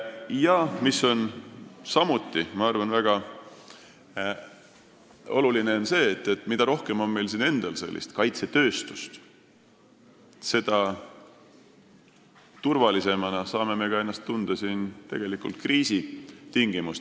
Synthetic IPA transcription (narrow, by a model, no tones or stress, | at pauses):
jɑmiso̞nsɑmut̪ːˑimɑɑrvɑnvæɡ̥ɑ | o̞̰lulineonse̞ːt̪ːˑe̞t̪ːˑmid̪̥ɑɾo̞hke̞mo̞nme̞jlsine̞nd̪̥ɑlse̞̰lːḭst̪kɑjt̪se̞t̪ø̞ːst̪u̥st̪ | se̞d̪̥ɑ | t̪urvɑlise̞mɑnɑsɑːme̞me̞ɡ̥ɑe̞nːɑst̪ːund̪̥ɑsiːnt̪e̞ɡ̥e̞likˑult̪̚kriːsit̪iŋɡ̥imust̪